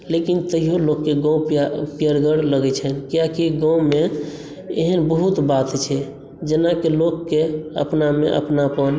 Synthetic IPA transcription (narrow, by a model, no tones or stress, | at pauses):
lekint̪əɦijolokːeɡãw̃ppijəɾɡəɽləɡɛt͡ʃʰɛnkijakiɡãw̃me | ḛɦənbəɦut̪bat̪t͡ʃʰɛ | d͡ʒenakelokːeə̰pnamḛʔə̰pnapən